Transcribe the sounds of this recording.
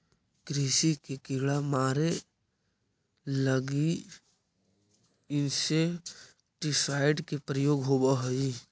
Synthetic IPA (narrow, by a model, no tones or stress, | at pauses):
kɾiːsikekɪɦɭamaːɾe | ləɡi | ɪnse | ʈɪsaːɪɖkepɾəjoːɡɦoːbaɦəi